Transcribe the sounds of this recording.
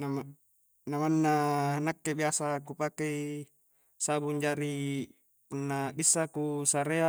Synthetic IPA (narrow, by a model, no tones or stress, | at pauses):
na | namanːanakːebiasakupakei | sabuɲd͡ʒaɾi | punːabisːakusaɾea